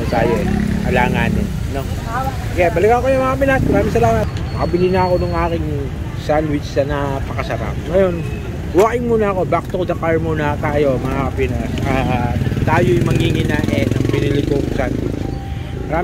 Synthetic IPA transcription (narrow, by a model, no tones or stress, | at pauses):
ɐt̪aːjoʔɛkɐlaːŋaːnɪnɐno | kɛbɐlɪkakojʊmɐŋakɐpɪnasmɐɾaːmɪŋsɐlaːmɐt̪̚pɐkɐbɪlinɐɐko̞nʊŋʔaːkɪŋ | sand̪wɪt͡ʃsɐnɐpɐkɐsɐɾa̰p̚ŋɐjo̞n | waːʔɪŋmuːnɐɐko̞bakɪ̥t̪okd̪ɐkaɹmonɐt̪aːjo̞mɐŋakɐpɪnasʔaːt̪aːjojmɐŋhiŋɪnɐʔɛnɐŋbɪnɪlɪɡ̪oŋsand̪̚wɪ̰t͡ʃ | mɐɾaː